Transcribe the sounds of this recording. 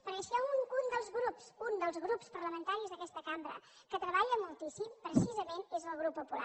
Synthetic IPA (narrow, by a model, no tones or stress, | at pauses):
pəɾəʃɛunund̪əlˠzɣɾupsund̪əlˠzɣɾupspəɾləmənt̪aɾizðəkɛst̪əkambɾə̰ | kət̪ɾəβaʎəmulˠt̪isimpɾəsizəmenezəlˠɣɾupːupula̰